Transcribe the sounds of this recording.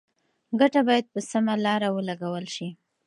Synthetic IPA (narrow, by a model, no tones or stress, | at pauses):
ɡaʈabɑjad̪̚pəsamalɑɾawəlaɡawəlʃi